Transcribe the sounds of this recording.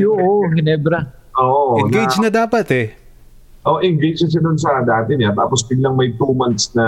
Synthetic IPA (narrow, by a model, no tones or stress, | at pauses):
joʔoɦɪnɛbɾɐʔoːʔoʔɪnɡejd͡ʒnɐd̪aːpɐt̪ɛ | ʔoʔɪŋɡejd͡ʒɐʃ̬ɐd̪ʊns̬ɐd̪aːt̪ɛɲat̪a̰ːpost̪ɪɡlɐŋmɐjt̪uːmɐnt̪snɐ